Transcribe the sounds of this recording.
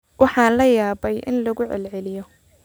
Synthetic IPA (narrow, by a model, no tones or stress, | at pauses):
wɑħɑːnlɐjaːbɛjʔɪ̰nlɐɣʊʕɛ̰lʕɛlɪjɔ